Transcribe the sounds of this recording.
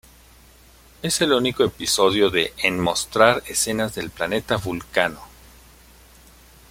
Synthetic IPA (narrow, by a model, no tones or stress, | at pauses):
e̞se̞luniko̞episo̞ðjo̞ðe̞ʔenmo̞st̪ɾaɾese̞nazðe̞lplane̞t̪aβulkano